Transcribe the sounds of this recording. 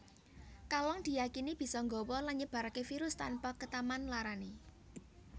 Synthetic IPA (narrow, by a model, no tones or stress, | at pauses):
kalɔŋd̪̥i̤jakinib̥i̤sɔŋɡɔwɔlanɲəb̥a̤ɾakefiɾʊst̪a̰npakət̪amanlaɾane